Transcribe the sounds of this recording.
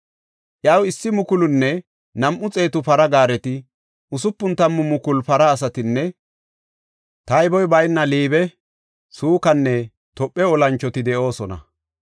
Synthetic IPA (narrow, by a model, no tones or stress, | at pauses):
ʔjɐwɪsːɪmʊkʊlʊnːɛ | nɐmʔʊt͡sʼe̞ːt̪ʊpɐɾɐɡaːɾɛt̪ɪ | ʔʊsʊpːʊnt̪ɐmːʊmʊkʊlpɐɾɐːs̬ɐt̪ɪnːɛ | t̪ɐjbɔjbɐjnːɐliːbɛ | suːkɐnːɛ | t̪ɔpʼːɛɔlɐnt͡ʃːɔt̪ɪd̪ɛʔo̞ːsɔnɐ̰